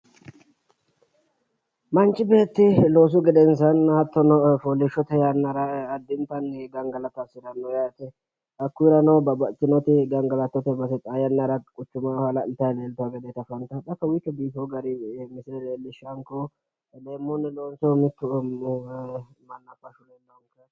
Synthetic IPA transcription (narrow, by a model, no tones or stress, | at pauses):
mɐnt͡ʃʼːɪbe̞ːt̪ːɪlo̞ːs̬ʊɡɛd̪ɛns̬ɐnɐt̪ːɔnɔfolːɪʃːɔt̪ɛjanːɐɾɐːd̪ːɪnt̪ɐnɡɐŋɡɐlɐt̪ːɐsɪɾɐnːɔjaːt̪ɛ | ʔɐkːʊɾɐnɔbɐbɐt̪ːɪnɔt̪ɪɡɐŋɡɐlɐt̪ːɔt̪ɛbɐsɛt̪ʼaːjɐnːɐɾɐkʼʊt͡ʃːʊmɐhalɐɪlt̪ːɐjleːlt̪ʊaɡɛd̪ɛt̪ɐfɐnt̪ɐtɐkːɐwɪt͡ʃːɔbiːfɔɡɐɾɪmɪsɪɾɛleːlːɪʃɐŋkɔ | leːmːʊnːɛloːnsɔmɪt̪ːʊ | mɐnːɐfɐʃʊlɛnːɐŋkɐ